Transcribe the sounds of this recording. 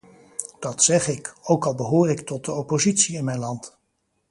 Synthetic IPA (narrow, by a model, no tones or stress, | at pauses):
d̥ɑtsɛχɪkowkɑlˠbəɦoːrɪktɔt̚dəɔpozitsiɪnmɛjnlɑnt